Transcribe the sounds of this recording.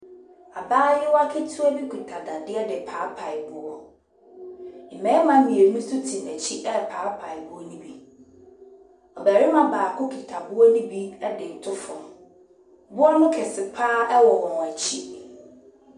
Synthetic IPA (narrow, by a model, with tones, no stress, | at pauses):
a˨baː˦jɪ˦wɔ˦a˦kʰɛ˦tʰu˦æ˦bi˦kʰu˨tʰa˨dã˨dɪ˦ɛ˦dɪ˨pʰaː˨˦pʰa˨ɪ˨bʊ˦ɔ˦ | m̩˨mɛ̃˨˦mã˦mĩ˨e˨˦ũ˦sʊ˦tʰi˨n˨æ˨t͡ɕʰi˦ʔɛ˦pʰaː˨˦pʰa˨ɪ˨bʊ˦ɔ˦nĩ˦bi˦ | ɔ˨bæ˨ɾɪ˦mã˨baː˨kʰʊ˦kʰi˨tʰa˨bʊ˦ɔ˦nĩ˦bi˦ɛ˦dɪ˨tʰʊ˦fɔ̃˨m | bʊ˦ɔ˦nʊ̃˦kʰɪ˨sɪ˨pʰaː˦ʔɛ˦wɔ˨wɔ̃˨n˨æ˨t͡ɕʰi˦